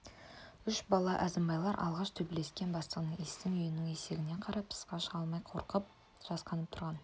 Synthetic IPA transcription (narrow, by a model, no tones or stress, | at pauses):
ʏʃbɑlˠɑʔæzɪmbɑjlˠɑɾʔɑ̰lˠʁɑʃt̪ʰɵbɪle̞skʲe̞nbɑst̪əʁənəŋest̪ɪŋʏjɪnɪŋe̞se̞ɡʲɪne̞qʰɑɾɑp̚pʰə̥sqɑʃəʁɑlˠmɑjqʰo̞ɾqəp̚ | ʒ̥ɑsqɑnəp̚t̪ʰʊɾʁɑn